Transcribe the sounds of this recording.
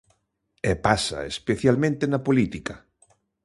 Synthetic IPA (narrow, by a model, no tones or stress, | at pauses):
ɛpasa̰ḛspeθjalmẽnt̪enɐpolit̪ika